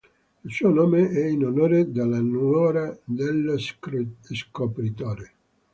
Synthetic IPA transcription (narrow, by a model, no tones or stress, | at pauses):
ilsuonoːmeɛinonoːɾed̪elːanwɔːɾad̪el | skopɾit̪oːɾe